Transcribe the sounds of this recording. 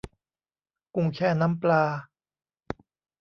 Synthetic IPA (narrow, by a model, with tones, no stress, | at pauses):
ku˧ŋkʰɛː˥˩na˦˥mplaː˧